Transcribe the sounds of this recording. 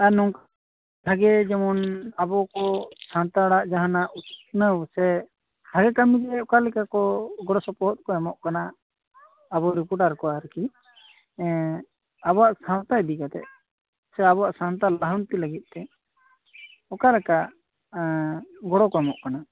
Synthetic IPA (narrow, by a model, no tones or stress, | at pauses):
anɔŋk | bʱaɡɛd͡ʒɛmɔnabɔkɔsãnt̪aɽaʔd͡ʒaɦanaʔunəwsɛ | bʱaɡɛkamit̪ɛɔkalɛkakɔɡɔɽɔsɔpɔɦɔt̪̚kɔɛmɔʔkana | abɔɾipɔɾʈaɾkɔaɾki | abɔwaʔsãnt̪ajbikat̪ɛ̰ʔ | sɛabɔwaʔsant̪aləɦɔnt̪iləɡit̪̚ˀt̪ɛ | ɔkalɛkaʔ | ɡɔɽɔkɔɛmɔʔkana